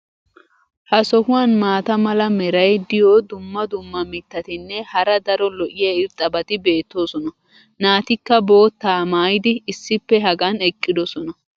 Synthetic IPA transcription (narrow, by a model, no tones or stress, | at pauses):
hɐsɔhʊwanmaːt̪ɐmɐlɐmɛɾɐjd̪ɪjoːd̪ʊmːɐd̪ʊmːɐmɪt̪ːɐt̪ɪnːɛhɐɾɐd̪ɐɾɔlɔʔɪjɐɪɾt̪ʼɐbɐt̪ɪbe̞ːt̪ːo̞ːsɔnɐ | naːt̪ɪkːɐbo̞ːt̪ːaːmaːjɪd̪ɪːsːɪpːɛɦɐɡɐnɛkʼːɪd̪ɔsɔnɐ